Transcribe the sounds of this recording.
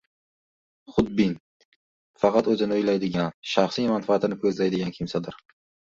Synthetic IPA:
χʊd̪̚bin | fɑqɑt̪ɵzɪnɪʊjlajd̪ɪɡʲanʃaχsijmanfaːt̪ɪnɪkʰɵzlajd̪ɪɡʲankʲʰɪmsad̪ɪɾ

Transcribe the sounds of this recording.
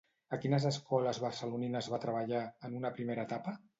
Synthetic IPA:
əkinəzəskɔləzβərsəluninəzβat̪ɾəβ̞əʎaənunəpɾimeɾəːt̪apə

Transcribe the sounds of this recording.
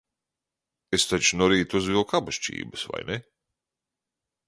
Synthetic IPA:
est̪at͡ʃnɔɾiːt̪uzʋiokabaʃt͡ʃḭːbɨsʋa̰jne

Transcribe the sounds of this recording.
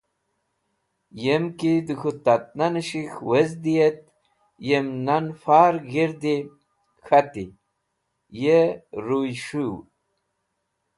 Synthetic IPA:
jemkid̪ɨxut̪at̪̚nanɨɕixwezd̪ijet̪̚ | jemnanfaːɾɡiɾd̪i | xat̪ḭ | jeɾujʂu

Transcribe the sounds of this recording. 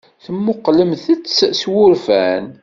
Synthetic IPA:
θəmːʊqːləmθət͡sːswʊɾfæ̰n

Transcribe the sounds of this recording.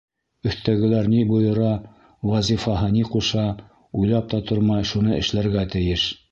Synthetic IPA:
ɵ̆θt̪æɡɘ̆læɾnibujɤ̆ɾɑ | wɑzʲifɑɦɤniquʃɑ | ujlˠɑp̚t̪ɑt̪oɾmɑjʃunɤʔɘ̰̆ʃlæɾɡæt̪ɘ̆jɘʃ

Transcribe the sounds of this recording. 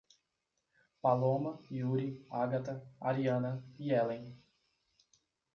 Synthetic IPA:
palõmɐjuɾiaɡat̪ɐaɾiɐ̃nɐiɛlẽj̃

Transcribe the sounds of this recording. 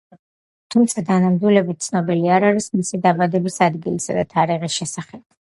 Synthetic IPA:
t̪ʰumt̪sʰad̪ʰanamd̪wilɛbit̪̚t̪sʰnɔbiliaɾaɾismisid̪abad̪ɛbisad̪ɡilisa̰d̪at̪ʰaɾiʁisʃɛsaχɛb̥̚

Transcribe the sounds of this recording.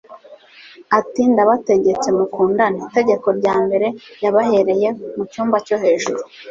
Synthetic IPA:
atiːndaβate̞ɟe̞t͡se̞mukuːndanite̞ɟe̞ko̞ɾɟaːmbe̞ɾe̞jaβahe̞ɾe̞je̞mucuːmbaco̞ɦe̞ʒuɾu

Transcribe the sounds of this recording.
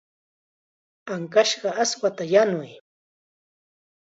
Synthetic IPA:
aŋkaʃɢɑaswat̪ajanʊj

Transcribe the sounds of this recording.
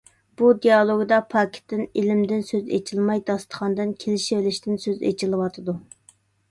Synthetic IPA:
b̥ud̪ijɑlˠoɡd̪ɑpʰɑkʲʰɪ̥t̪ːɪnilɪmd̪ɪnsøzḛt͡ʃʰilˠmɑjd̪ɑst̪ʰə̥χʰɑnd̪ɨnkʲʰelɪʃivelɪʃt̪ɪnsøzḛt͡ʃʰilˠɨwɑt̪ʰɨd̪u

